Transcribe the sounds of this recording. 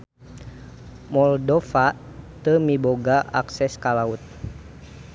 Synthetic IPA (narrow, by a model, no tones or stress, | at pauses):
mɔldɔfat̪əmiboɡaʔa̰ksɛskalaut̪̚